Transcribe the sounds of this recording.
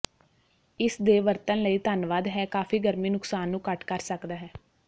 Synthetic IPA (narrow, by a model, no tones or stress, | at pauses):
ɪsd̪eːʋəɾt̪ənləiːt̪ənʋaːd̪ɦɛːkaːfʰiːɡəɾmiːnʊksaːnːũːkəʈkəɾsəkd̪aːɦɛː